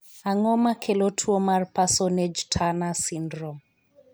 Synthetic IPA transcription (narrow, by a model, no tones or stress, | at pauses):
aŋɔmakʰelotʰuɔmarpasɔned͡ʒtʰanasindɾɔm